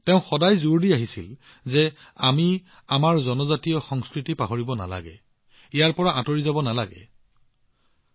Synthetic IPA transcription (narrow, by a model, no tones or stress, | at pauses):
tɛʊ̃xɔdajzuɹdiaɦisḭl | zɛ | ami | amaɹzɔnɔzatijɔxɔŋskɹitipaɦoɹibɔna̰la̰ɡɛ | ijaɹpɔɹaʔãtoɹizabɔnalaɡɛ̰